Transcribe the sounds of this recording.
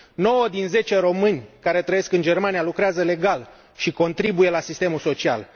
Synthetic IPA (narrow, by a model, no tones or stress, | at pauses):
no̞wəd̪inze̞t͡ʃeɾo̞mɨnʲkaɾe̞t̪ɾəjeskɨnd͡ʒe̞rmanijalukɾeazəle̞ɡal | ʃiko̞nt̪ɾibuje̞lasist̪emulso̞t͡ʃia̰l